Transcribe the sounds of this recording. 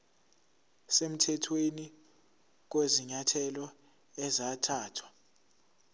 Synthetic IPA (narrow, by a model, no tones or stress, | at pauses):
sem̩tʰɛtʰweni | k̬weziɲatʰɛlɔ | ɛzatʰaːtʰwa